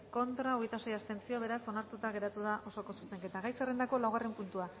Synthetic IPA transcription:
ko̞nt̪ɾao̞ɣejt̪asejast̪e̞nt͡sio̞β̞e̞ɾaso̞naɾt̪ut̪aɣe̞ɾat̪uðaʔo̞so̞ko̞suse̞ŋke̞t̪aɣajsere̞nd̪ako̞lawɣare̞mpunt̪ua

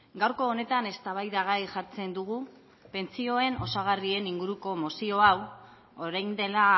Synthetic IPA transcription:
ɡawɾko̞ːne̞t̪ane̞st̪aβ̞ajðaɣajʝaɾt͡se̞nd̪uɣ̞u | pe̞nt͡sio̞e̞no̞saɣ̞arie̞niŋɡuɾuko̞mosio̞aw | oɾajnd̪e̞la

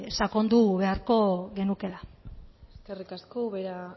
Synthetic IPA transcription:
sako̞nd̪uβe̞aɾko̞ɣe̞nuke̞laeskerikaskoβeɾa

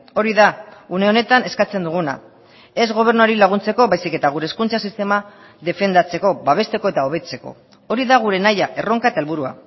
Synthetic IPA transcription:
o̞ɾiðaune̞one̞t̪ane̞skat͡se̞nd̪uɣ̞una̰ | e̞zɣo̞β̞e̞ɾnuaɾilaɣ̞unt͡se̞ko̞βajsike̞t̪aɣ̞uɾeskunt͡sasist̪e̞ma | ðe̞fe̞nd̪at͡se̞ko̞baβ̞e̞st̪e̞ko̞e̞t̪ao̞β̞e̞t͡se̞ko̞̰ | o̞ɾiðaɣ̞uɾe̞najaʔe̞ro̞ŋkaet̪aelβuɾua̰

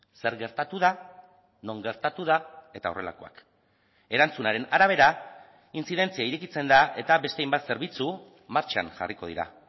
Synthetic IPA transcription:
se̞ɾɣe̞ɾt̪at̪uða | no̞ŋɡe̞ɾt̪at̪uðae̞t̪ao̞re̞la̰ko̞a̰k | e̞ɾant͡sunaɾe̞naɾaβ̞e̞ɾa | insiðe̞nt͡siaiɾekit͡se̞nd̪ae̞t̪aβe̞st̪eajmbat̪se̞ɾβit͡su | maɾt͡ʃa̰nʝa̰riko̞ð̞ḭɾa̰

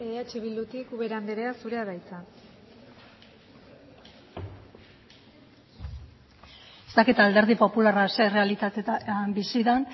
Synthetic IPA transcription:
eðeat͡ʃiβild̪ut̪ikuβeɾand̪eɾeasuɾe̞aðajt͡sa | est̪akit̪aːld̪e̞ɾð̞ipo̞pularasere̞alit̪at̪eabisiðan

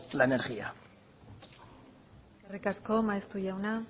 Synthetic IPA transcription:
laeneɾɣia | eskerikasko̞maest̪uʝawna

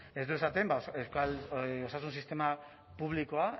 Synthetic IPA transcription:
e̞zd̪ue̞sat̪e̞mbaeskalo̞sas̬unsist̪e̞ma | puβ̞liko̞a

